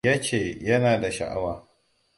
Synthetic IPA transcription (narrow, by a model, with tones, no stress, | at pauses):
ja˦t͡ʃeː˦˨jɐ˦naː˨da˨ʃɐ̰˨ʔa̰˦waː˨